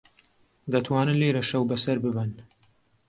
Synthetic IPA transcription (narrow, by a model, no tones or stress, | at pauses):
d̪ɐt̪ʰwaːnɨnleːɾɐʃɐwbɐsɐɾbɨbɨn